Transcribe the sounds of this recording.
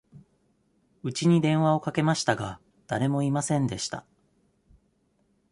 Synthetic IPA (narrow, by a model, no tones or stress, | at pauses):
ɯ̟t͡ɕiɲ̟id̪ẽ̞ɰ̃βao̞kake̞maɕi̥t̪aɡa | d̪̥aɾe̞mo̞imasẽ̞nd̪e̞ɕi̥t̪a̰